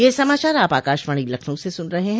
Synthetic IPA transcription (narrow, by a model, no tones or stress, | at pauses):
jeːsɐmaːt͡ʃaːɾaːpaːkaːʃʋaːɽ̃ilɐkʰnũsesʊnɾɐɦeɦɛ̃